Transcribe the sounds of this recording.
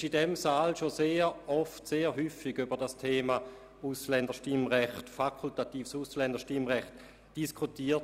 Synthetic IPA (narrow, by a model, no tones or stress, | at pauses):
ʃidɛmsaːlʃoseːʁɔftseːɾɦyːfiɡybəʁdastʰeːma | uslɛndəʃtimʁɛχtfakʰultatiːfsuslɛndəʃtimʁɛχt | d̥iskʰutiːɐt